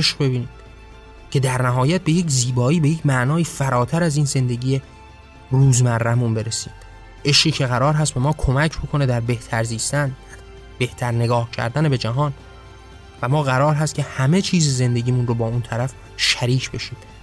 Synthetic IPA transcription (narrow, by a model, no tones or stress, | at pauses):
eʃbe̞biːniːd̪̥ | cʰe̞d̪æɾnæɦɒːjæt̪̚be̞je̞cʰziːbɒːiːbejecʰmæʔnɒːiːfæɾɒːt̪ʰæɾæziːnze̞nd̪e̞ɟiːje | ruːzmæɾːæmunbe̞ɾesiːd̪̥ | ʔe̞ʃqiːcʰe̞ɣæɾɒːɾɦæst̪̚be̞mɒːkʰo̞mæcʰbo̞kʰo̞ne̞d̪æɾbe̞ht̪ʰæɾziːst̪ænæ | b̥e̞ht̪ʰæɾne̞ɡɒːhcʰæ̰ɾd̪ænebe̞d͡ʒæɦɒːn | væmɒːɣæɾɒːɾɦæst̪cʰʲe̞hæme̞t͡ʃʰiːzeze̞nd̪e̞ɟiːmunrobɒːunt̪ʰæɾæf | ʃæɾiːcʰbe̞ʃiːd̪̥